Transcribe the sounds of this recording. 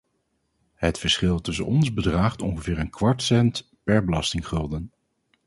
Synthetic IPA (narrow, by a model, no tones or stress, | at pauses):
ɦətfəɹsχɪlˠtɵs̬ə̰nɔnzbədraːχtɔŋχəvɪːɹənkʋɑɹtsɛnt | pɛɹbəlɑstɪŋχɵlˠdən